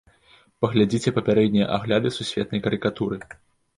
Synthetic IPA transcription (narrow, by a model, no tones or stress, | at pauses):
pɐɣlʲad͡zʲit͡sʲɛpɐpʲaɾɛd̪ʲnʲijɐ̰ʔaɣlʲad̪ɨsusʲvʲɛt̪̚nɐjkɐɾɨkat̪uɾɨ